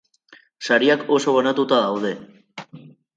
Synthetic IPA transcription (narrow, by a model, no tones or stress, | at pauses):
saɾiako̞so̞βanat̪ut̪aðawð̞e̞